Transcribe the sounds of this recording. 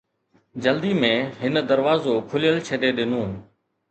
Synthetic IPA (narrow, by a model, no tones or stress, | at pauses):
d͡ʒəld̪iːmẽːɦɪnd̪əɾʋaːzoːkʰʊlɪjəlt͡ʃʰəɗeːɗɪnũːɦ